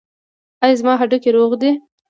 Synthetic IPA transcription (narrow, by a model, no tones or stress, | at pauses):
ajzmɑɦaɖʊkeɾoɣd̪e